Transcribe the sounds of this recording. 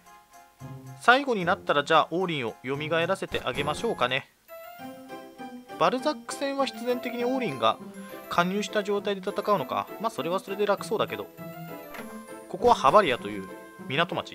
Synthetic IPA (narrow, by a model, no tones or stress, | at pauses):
saiɡo̞ɲ̟inat̪ːaɾad͡ʑaːʔo̞ːɾʲĩɰ̃o̞jo̞mʲiɡae̞ɾase̞t̪e̞̰ʔaɡe̞maɕo̞ːkane̞ | b̥aɾɯ̟zakːɯ̟̥sẽ̞ɰ̃βaçi̥t͡sɨzẽ̞nt̪e̞kʲiɲ̟io̞ːɾʲĩŋɡa̰kʰãɲ̟ːɨːɕi̥t̪aʑo̞ːt̪aid̪e̞t̪at̪akaɯ̟no̞ka̰maːso̞ɾe̞βaso̞ɾe̞d̪e̞ɾakɯ̥so̞ːd̪ake̞d̪o̞̰ | ko̞ko̞βahabaɾʲiat̪o̞jɯ̟̰ː | mʲinat̪o̞ma̰t͡ɕi̥̰